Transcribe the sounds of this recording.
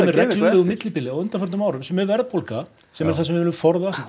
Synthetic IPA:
mɛɾrɛklɪʏɣʏmɪt̪lɪpɪlɪawʏnt̪afœɾnʏmaːwɾʏmsɛmːɛvɛɾðpʰolka | sɛmɛɾθasɛmvɪvɪːlʏmfɔɾðast̪

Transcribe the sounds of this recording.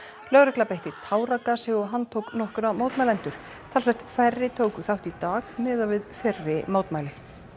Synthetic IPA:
lœɣɾɛklapejht̪ɪt̪ʰaːwɾakasɛɣɔɦanːt̪ʰowknɔhkʏɾamaːwt̪majlɛnt̪ʏɾ̥ | t̪ʰalsvɛht̪fɛrːɪt̪ʰoːwkʏθawht̪it̪aːɣmɛːðavɪðfɛrːɪmaːwt̪majlɪ

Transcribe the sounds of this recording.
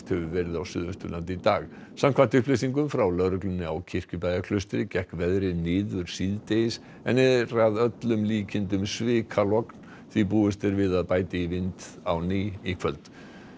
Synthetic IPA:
t̪hɛvʏvɛɾɪðawsʏ̰ːðʏnst̪ʏlant̪ɪit̪aːɣ | samkʰvant̪ʏhplesiŋkʏmfɾawlœɾʏklʏnːɪawcʰɪr̥cʏpaːjðakʰlœst̪ɾɪcɛhkvɛðɾɪnɪːðʏɾ̥siːðt̪ejɪs | ɛnːɛðɾaðœt̪lʏmliːcʰɪnt̪ʏmsvɪːkʰalɔkn | θipuːʏst̪ɪɾvɪðaðpaːjt̪ɪivɪnt̪ | awnɪːikʰvœlt̪

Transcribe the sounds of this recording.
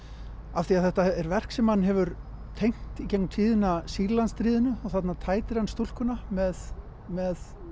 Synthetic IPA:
afθiaðθɛht̪aɛɾvɛr̥ksɛmhanːɦɛvʏɾt̪ʰejŋ̥t̪icejknʏt̪ʰiːðɪnasiɾlanst̪ɾiːðɪnʏɔɣθat̪nat̪ʰaːjt̪ɪɾ̥hanst̪ul̥kʏnamɛð | mɛð

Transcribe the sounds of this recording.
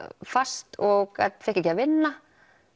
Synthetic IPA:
fast̪ɔɣɣat̪fɛhcːɛcɪavɪnːa

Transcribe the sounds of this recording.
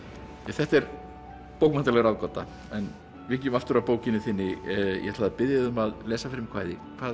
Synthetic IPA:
aθɛht̪ɛɾ | powkmant̪alɛɣɾaðkɔt̪a̰ | ɛn | vɪcɛʏmaft̪ʏɾapoːwcɪnʏθɪnːɪjʔɛ̰hɛt̪laðapɪðjaðʏmaðlɛːsafɪɾɪmkʰva̰ːjðɪkʰvaː

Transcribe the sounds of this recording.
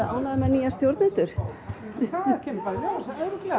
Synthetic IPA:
ʔa̰ːwnaðmɛnijast̪jowɾt̪nɛt̪ʏɾ̥ | aɛːmpaːɾaljasaɛðɾʏk̪lɛ

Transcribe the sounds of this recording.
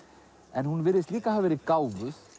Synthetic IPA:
ɛnhunvɪɾɪsliːkahavvɛːɾikawvʏθ

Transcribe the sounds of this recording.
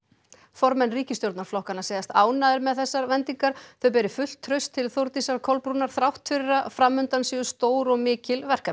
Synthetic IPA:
fɔɾmɛnːriːcɪst̪jowɾt̪naɾ̥flɔhkanaseːjðast̪aːwnaðɪɾmɛðθɛsːaɾvɛnt̪iŋkaɾ̥θœɥp̬ɛːɾɪfʏl̥t̪ʰːɾœɥst̪ʰːɪlθowɾt̪isaɾkʰɔlpɾuːnaɾ̥θɾawht̪fɪɾɪɾafɾamːʏnt̪ansiːʏst̪oːwɾɔɣmɪːcɪlvɛr̥ka

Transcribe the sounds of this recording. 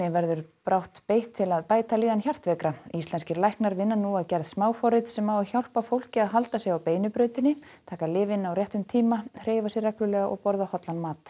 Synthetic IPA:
jɛvɛɾðʏɾpɾawht̪pejht̪ʰːɪlaðpaːjt̪aliːðançar̥t̪vɛːkɾaist̪lɛnscɪɾlajhknaɾvɪnːanuaðcɛɾðsmaːwfɔɾɪt̪sɛmawaçjawl̥pafowl̥cɪaðɦalt̪asjɛɣawpeːjnʏpɾœːɥt̪ɪnːɪ | t̪ʰaːkalɪːvɪnawrjɛht̪ʏmt̪ʰiːmahreːjvasjɛɾrɛklʏlɛːɣaʔɔ̰ɣpɔɾðahɔt̪lanmaːt̪

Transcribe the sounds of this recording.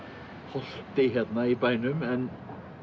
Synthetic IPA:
hɔɬt̪̚d̪̥eɦɛd̪naibaɪnʉmɛn

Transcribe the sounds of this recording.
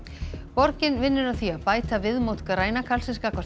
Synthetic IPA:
pɔɾcɪnvɪnːʏɾaθiapaːjt̪avɪðmowt̪kɾaːjnakʰalsɪskakvḁ

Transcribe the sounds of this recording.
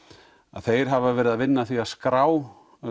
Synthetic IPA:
a̰ðθejɾ̥ɦavavɛːɾɪðaðvɪnːaθiaðskɾaːw

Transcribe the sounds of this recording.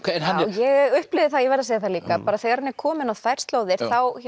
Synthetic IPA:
najɛɣʏhplɪvðɪθaðjɛvɛɾðaseːjðɪθaliːkapaːɾaθeːɣaɾanːɛ̥kʰɔːmɪnawθajr̥st̪loːwðɪɾ̥θaw

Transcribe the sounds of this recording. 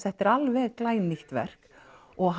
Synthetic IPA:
θɛht̪ɪɾalvɛðklaːjniht̪vɛ̰r̥k | ɔɣɦ

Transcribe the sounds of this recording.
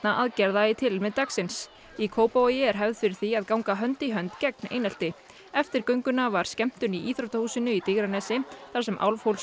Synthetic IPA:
t̪naʔaðcɛɾðaɪt̪ʰɪlmɛðt̪aksɪns | ikʰoːwpojɪɛɾ̥ɦɛvðfɪɾɪɾ̥θiaðkawŋkaɦœnt̪iɦœnt̪cɛk̚nḛːjnal̥t̪ɪ | ɛft̪ɪɾ̥kœɥŋkʏnavaɾ̥scɛm̥t̪ʏniʔiːθɾowt̪ahuːsɪnʏit̪ɪɣɾanɛːsɪθaɾsɛmʔa̰wlvhowls

